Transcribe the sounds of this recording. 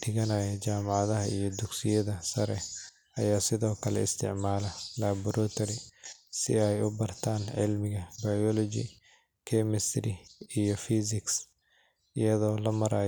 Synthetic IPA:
d̪ɪɣɐnaːjɐt͡ʃaːmɑʕɑðɐɦɐijɞd̪ʊɡsɪjɐðɐsɐɾɛ | ɐjaːsɪðɔːkʰɐlɛ̰ɪst̪ʰɪ̰ʕmaːlɐlaːbʊɾɔːt̪ʰɐɾɪsɪ̰ɛjʊbɐrt̪ʰaːnʕɪ̰lmɪɣɐbɐjɔlɔt͡ʃɪ̰ | kʰɛmɛst̪ɾɪijɔfiːsɪks | ɪjɐðɔːlɐmɐɾaː

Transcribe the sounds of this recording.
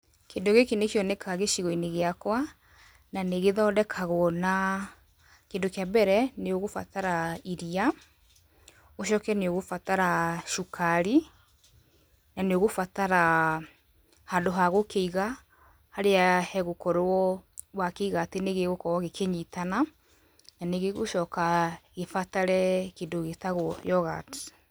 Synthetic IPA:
kendoɣekenekjɔnɛkʰaɣeʃiɣɔineɣeakwa | naneɣeðɔdɛkʰaɣwɔna | kendokeabɛɾɛneoɣofa̰taɾaiɾia | oʃɔkɛneoɣofataɾaʃukʰaɾi | naneoɣofataɾa | handoɦaɣokeiɣa | haɾeahɛɣokɔɾoɔwakeiɣaːteneɣeɣokɔɣɔɣekʰeɲitana | naneɣeɣoʃɔkaɣefataɾɛkendoɣetaɣɔjɔɣa̰te̥

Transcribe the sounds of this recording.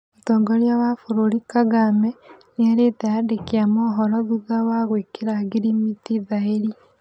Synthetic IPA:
otɔːŋɡɔɾjawafuɾuɾikaɡamɛneaɾeteadekeamɔɦɔɾɔðuðawaɣwekeɾaɡiɾimitiðaeɾi

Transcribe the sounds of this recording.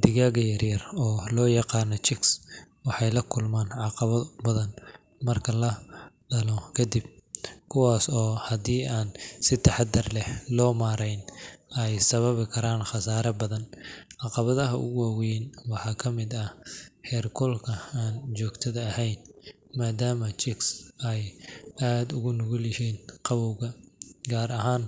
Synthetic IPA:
d̪ɪɣaːɣɐjɐrjɐrɔːlɔːjɑqɑːnɔt͡ʃɪkswɑħɑjlɐkʰʊlmaːnʕɑqɑβɐbɐðɐn | mɐrkʰɐlɐ | ɖɐlɔkʰɐd̪ib̚kʰʊwɑːsɔːhɐd̪iːʔaːnsɪt̪ʰɐħɑd̪ɐrlɛhlɔːmaːɾɛjnɛjsɐβɐβɪkʰɐɾaːnχɑsaːɾɐbɐðɐnʕɑqɑβɐðɐɦɐʔʊ̰ɣʊawɛnwɑħɑːkʰɐmɪd̪ɐħɛːrkʰɔlkʰɐaːnt͡ʃɔːɡt̪ʰɐðɐːhɛjn | maːd̪aːmɐt͡ʃɪksɛjʔaːd̪ʊɣʊnʊɣʊlɪhɛːnqɑβɔwɣɐɡaːɾɐɦaːn

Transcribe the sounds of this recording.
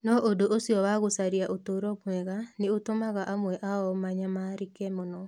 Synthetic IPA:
nɔʔodoʔosiɔwaɣosaɾiaʔotoɾɔmwɛɣaneotomaɣaʔamwɛʔaɔmaɲamaɾikɛmɔnɔ

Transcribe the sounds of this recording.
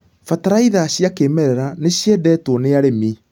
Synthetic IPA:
fataɾaiðaɕjakemɛɾɛɾaneɕjɛdɛːtwoneaɾemi

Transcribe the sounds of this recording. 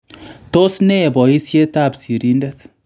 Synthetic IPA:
t̪osnebɔisjet̪absiɾind̪et̪

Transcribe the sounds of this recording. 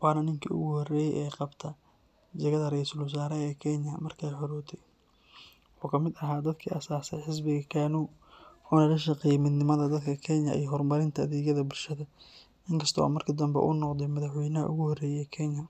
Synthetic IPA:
wɑːnɐnɪŋkʰḭːʔʊ̰ɣʊhɔrɛːjɛ̰jʔɛːqɑbt̪ʰɐ | d͡ʒɐɣɐðɐɾɛjsɐlwʊs̬aːɾɛɛːkʰɛnjɐmɐrkʰɛjħɔɾɔːt̪ʰɛj | ħɔːkʰɐmɪd̪ɐɦaːd̪ɐd̪kʰiːʔɐsaːsɛħɪs̬bɪɣɐkʰaːnuː | ɔːnɐlɐʃɐqɛjmɪd̪nɪmɐðɐd̪ɐd̪kʰɐkʰɛnjɐ̰ʔḭjɔɦɔrmɐɾɪnt̪ʰɐːðiːɣɐðɐbʊlʃɐðɐ | ʔɪŋkʰɐst̪ʰɔw̰mɐrkʰɪd̪ɐmbɛ̰ʔʊ̰nɔqd̪ɛjmɐðɐħwɛjnɐɦɐʔʊɣʊhɔrɛːjɛkʰɛnjɐ

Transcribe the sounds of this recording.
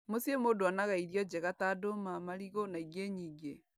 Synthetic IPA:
mosiemodoanaɣaiɾjɔd͡ʑɛɣatadomamaɾiɣonaiɣeɲiːŋɡe

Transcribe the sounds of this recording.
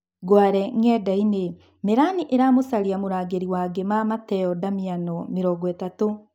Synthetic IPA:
ɡwaɾɛŋɛdaine | meɾaniʔeɾaːmosaɾiamoɾaːɡeɾiwaːɡemamatɛɔdamianɔmeɾɔːɡwɛtato

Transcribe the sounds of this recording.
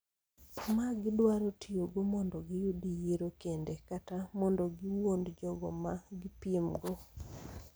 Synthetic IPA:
maɡɪdwaɾotʰioɡomɔndɔɡɪjudijeɾokendekatamɔndɔɡɪwondd͡ʒɔɡɔ̰maɡɪpiemɡɔ

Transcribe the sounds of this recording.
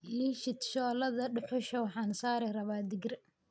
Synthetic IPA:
liʃɪt̪ʃɔːlɐðɐɖʊħʊʃɐwħɑːnsaːɾɛrɐβaːd̪ɪɡɪr

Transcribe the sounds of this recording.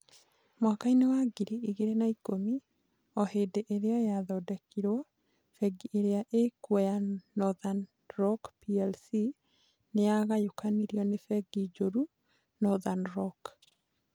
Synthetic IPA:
mwakainewaɡiɾiʔiɣeɾenaikomi | ɔhedeʔeɾeɔjaðɔdɛkʰiɾwɔ | fɛɡiʔeɾeaʔekwɛjanɔðan | ɾɔkpiɛlsi | neaɣajokaniɾjɔnefɛɡid͡ʒoɾu | nɔðanɾɔk

